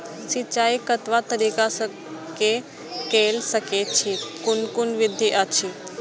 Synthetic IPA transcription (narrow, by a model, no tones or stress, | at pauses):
sɪt͡ɕaːikɐt̪ʋat̪ɐɾiːkas | ke | keːlsɐkʰet͡ɕʰekʊnkʊnʋɪd̪ʱiʔat͡ɕʰi